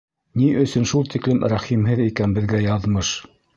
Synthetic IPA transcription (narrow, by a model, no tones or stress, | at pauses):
niʔɵ̆sɵ̆nʃulˠt̪iklɘmɾæχimɦɘðikænbɘ̆ðɡæjɑðmɤʃ